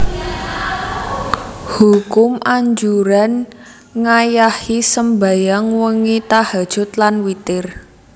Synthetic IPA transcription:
hukʊmʔaɲd͡ʒuɾan | ŋajahisəmbajaŋwəŋit̪ahḁʒ̥ʊ̤t̪lanwit̪ɪr

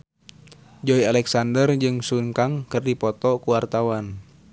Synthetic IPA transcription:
d͡ʒɔialɛksandərd͡ʒɨŋsunkaŋkərdipɔt̪ɔkuwart̪awan

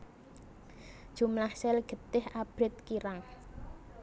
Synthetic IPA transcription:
d̥ʒ̥ṳmlahsɛlɡ̥ə̤t̪ɪhab̥ɾɪt̪̚kiɾaŋ

